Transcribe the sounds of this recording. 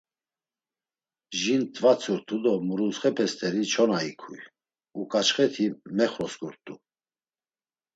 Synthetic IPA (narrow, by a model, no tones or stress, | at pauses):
ʒint̪ʼvat͡sʰʼuɾt̪ʰʼud̪ɔmuɾulsχɛpʰɛst̪ʰʼɛɾit͡ʃʰɔnaikʰuj | ukʼat͡ʃχɛt̪ʰimɛχɾɔsɡuɾt̪ʼu